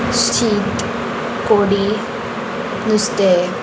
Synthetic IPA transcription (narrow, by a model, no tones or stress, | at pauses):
st͡ʃiːt̪ | koːɽi | nɪst̪e